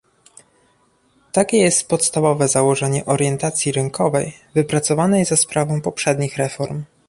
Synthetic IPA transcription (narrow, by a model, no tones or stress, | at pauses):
t̪akʲɛjɛst̪̚pɔt̪st̪avɔvɛzawɔʐɛɲɛʔɔɾjɛnt̪at̪sʲjiɾɘŋkʰɔvɛjvɘpɾat̪sɔvanɛzaspɾʔavɔ̃w̃pɔpʂɛd̪ɲixɾɛfɔɾm